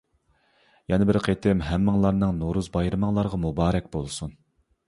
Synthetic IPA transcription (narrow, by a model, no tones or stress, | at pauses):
jɑnɨbɪɾqʰet̪ʰɪmɦɛmːɨŋlˠɑɾnɨŋnoɾuzbɑjɾɨmɨŋlˠɑɾʁɑmubɑːɾɛkʲbolˠsun